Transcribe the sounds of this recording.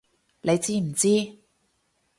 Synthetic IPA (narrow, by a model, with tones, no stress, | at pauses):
lʔe˨˧jt͡siː˥m̩˨˩t͡siː˥